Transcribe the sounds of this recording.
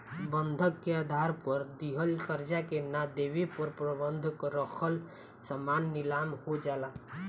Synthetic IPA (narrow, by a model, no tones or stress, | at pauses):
bənd̪ʱəkːead̪ʱaɾpəɾd̪iɦəlkəɾd͡ʒakenad̪eʋepəɾpɾəbənd̪ʱəkɾəkʰəl | səmanːɪlamhod͡ʒala